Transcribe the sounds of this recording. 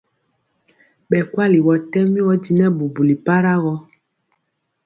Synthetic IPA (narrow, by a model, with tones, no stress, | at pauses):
ɓɛ˨kwa˦li˨wɔ˨tɛ˦mi˦wɔ˦di˦nɛ˦bu˨bu˨li˨pa˦ɾa˦ɣɔ˦